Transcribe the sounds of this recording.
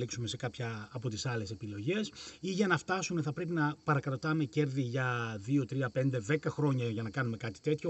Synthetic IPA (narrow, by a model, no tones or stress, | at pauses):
iksume̞se̞kɐpçɐːpo̞t̪isɐle̞se̞pilo̞ʝe̞siʝɐnɐft̪ɐsune̞θɐpɾe̞pinɐpɐɾɐkɾɐt̪ɐme̞ce̞ɾðiʝɐðio̞t̪ɾiɐpe̞nd̪e̞ðe̞kɐxɾo̞ɲɐʝɐnɐkɐnume̞kɐt̪i̥t̪e̞t̪ço